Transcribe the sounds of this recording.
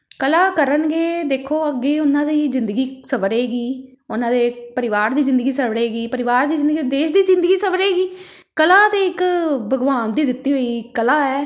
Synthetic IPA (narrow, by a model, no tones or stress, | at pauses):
kəlaːkəɾənɡeːd̪eːkʰːoːəɡːeːʊnãːd̪iːzɪ̃nd̪əɡiːsəbəɾeːɡiː | ʊnãːd̪eːpəɾɪʋaːɾd̪iːzɪ̃nd̪əɡiːsəbɽeːɡiːpəɾɪʋaːɾd̪iːzɪ̃nd̪əɡiːd̪eːʃd̪iːzɪ̃nd̪əɡiːsəbəɾeːɡiː | kəlaːt̪eːɪkbəɡʋaːnd̪iːd̪ɪt̪ːiːɦoːiːkəlaːɛː